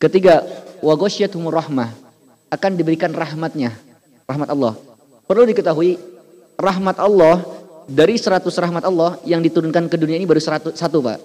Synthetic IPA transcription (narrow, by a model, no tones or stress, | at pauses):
kət̪iɡawaɡosiat̪humurahmah | akandibəɾikanrahmat̪̚ɲa | raɦmat̪ɔlːɔh | pərludikət̪aɦui | raɦmat̪alːɔhdaɾisəɾat̪ʊsraɦmat̪ɑlːɔhjaŋdit̪uɾʊnkankəduniainibaɾusəat̪usat̪upa̰ʔ